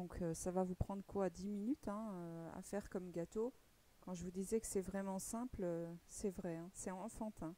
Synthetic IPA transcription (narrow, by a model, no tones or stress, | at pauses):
d̪ɔ̃kʰøsavavupχɑ̃d̪ʁəkwaːd̪iminyt̪ɛ̃øa̰fɛʁkɔmɡat̪o | kɑ̃ʒəvud̪izɛkə̥sɛvʁɛmɑ̃sɛ̃pløsɛvʁɛɛ̃sɛɑ̃fɑ̃t̪ʰɛ̃